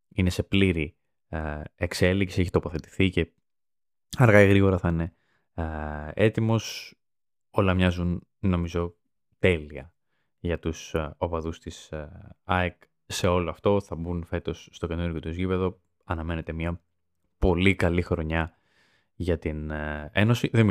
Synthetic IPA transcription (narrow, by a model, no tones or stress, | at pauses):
ine̞se̞pliɾi | ekse̞liksieçi̥t̪o̞po̞θe̞t̪i̥θice̞ | ɐɾɣɐiɣɾiɣo̞ɾɐθɐine̞ | e̞t̪imo̞s | o̞lɐmɲɐzunː | o̞mizo̞ | t̪e̞liɐ | ʝɐt̪usopɐðust̪isɐek | se̞o̞loɐft̪o̞θɐbunfe̞t̪o̞sːt̪okenuɾʝot̪uzʝipe̞ðo̞ | ɐnɐme̞ne̞t̪e̞miɐ | po̞likɐlixɾo̞ɲɐ | ʝɐt̪ine̞no̞siðem